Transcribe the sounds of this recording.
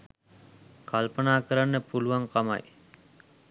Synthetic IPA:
kalpənaːkəɾanːəpuluʋaŋkama̰j

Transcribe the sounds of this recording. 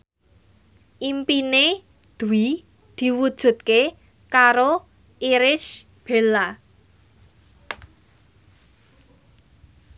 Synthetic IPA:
ʔimpine | d̪̥ṳwi | d̪̥i̤wud̥ʒ̥ṳt̪̚ke | kaɾo | ʔiɾɪʃ | b̥e̤la

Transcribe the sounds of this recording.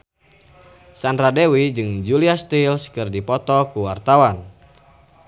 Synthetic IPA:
sand̪ɾadɛwid͡ʒɨŋd͡ʒuliast̪ilskɨrdipɔt̪ɔkuwart̪awan

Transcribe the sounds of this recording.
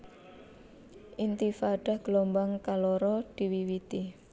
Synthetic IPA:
ʔint̪ifaɖ̥a̤hɡ̥lɔmbaŋkalɔɾɔd̪̥i̤wiwit̪i

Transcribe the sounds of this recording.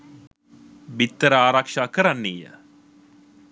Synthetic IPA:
bit̪ːəɾəaːɾakʂaːkəɾanːijə̰

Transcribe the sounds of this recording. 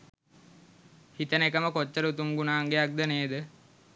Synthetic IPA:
hit̪ənekəməkot͡ʃːəɾut̪uŋɡunaːŋɡeak̚d̪əneːd̪ə

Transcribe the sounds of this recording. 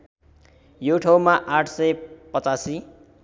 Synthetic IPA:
joʈʰaw̃maʔaʈʰsʌjpʌt͡sasi

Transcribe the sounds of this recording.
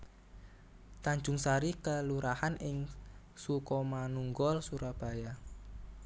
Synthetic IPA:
t̪aɲd͡ʒʊŋsaɾikəluɾahanʔɪŋ | sukɔmanuŋɡɔlsuɾab̥a̤ja

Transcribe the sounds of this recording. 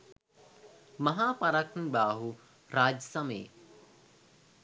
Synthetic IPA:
mɐɦaːpɐɾakʰnbaːɦu | ɾaːd͡ʒsɐmḛː

